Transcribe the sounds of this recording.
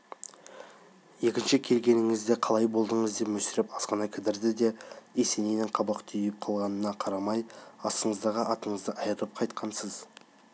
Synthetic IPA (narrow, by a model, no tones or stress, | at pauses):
je̞kʲɪnʃɪkʲʰe̞lɡʲe̞nɪŋɪzd̪eqʰɑlˠɑjbo̞lˠd̪əɴəzd̪e̞pmɵsɪɾɪpɑsqɑnɑkʲʰɪd̪ɪɾd̪ɪd̪e̞ese̞nenɪɴqʰɑbɑqt̪ʰʏjɪp̚qʰɑlˠʁɑnənɑqʰɑɾɑmɑjɑsəɴəzd̪ɑʁəʔɑt̪əɴəzd̪əʔɑjəɾəɾəp̚qʰɑjt̪̚qʰɑnsəz